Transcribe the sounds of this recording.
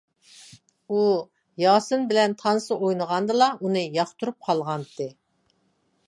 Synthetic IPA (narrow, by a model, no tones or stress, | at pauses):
u | jɑːsɨnbɪlɛnt̪ʰɑnsɨʔojnəʁɑnd̪ɨlˠɑʔunɨjɑχt̪ʰuɾup̚qʰɑlˠʁɑnt̪ʰːɨ